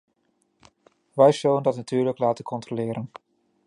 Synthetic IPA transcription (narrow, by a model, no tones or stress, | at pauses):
ʋɛjz̥ɵləndɑtnatyːɹləklaːtəkʰɔntrolɪːɾʔən